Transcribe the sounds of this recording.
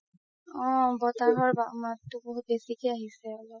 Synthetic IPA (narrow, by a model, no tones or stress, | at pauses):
ɔ̃bɔtaɦɔɹbamatːʊbɔɦut̚besikejaɦisɛɔlɔ